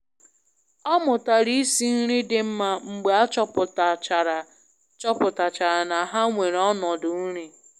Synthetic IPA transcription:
ɔ˦mʊ˨ta˨ɾi˦si˦n̩˦ɾi˦dɪ˦m̩˦ma˦ŋ͡m̩˨ɡ͡be˨a˦t͡ʃɔ˦pʊ˨ta˨t͡ʃɾa˨ | t͡ʃɔ˦pʊ˨ta˨t͡ʃa˨ɾa˨na˨ɦa˦ŋʷe˨ɾɔ˦nɔ˨dʊ˨n̩˦ɾi˦

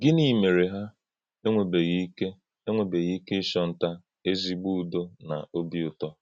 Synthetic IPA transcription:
ɡɪ˦ni˨me˨ɾe˨ɦa˦ | e˦ŋʷe˨be˨ɣi˦i˦ke˦ | e˦ŋʷe˨be˨ɣi˦ke˦ɪ˦ʃɔ˦n̩˦ta˦ | e˦zi˦ɡ͡bu˦˨do˦na̰˨o˦bi˦ʊ˨tɔ˦

